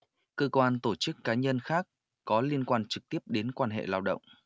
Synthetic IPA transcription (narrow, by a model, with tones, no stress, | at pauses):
kəː˧kwaː˧nt̪o˧˩t͡ɕɨ˦˥kːaː˨˦ɲə˧nxaː˦˥k̚ː | ɔ˨˦li˧ənkwaː˧nt͡ɕɨ˨˩k̚t̪i˦˥əp̚ɗe˨˦nkwaː˧nɦḛ˧˨laː˧wɗə̰˧˨wŋ͡m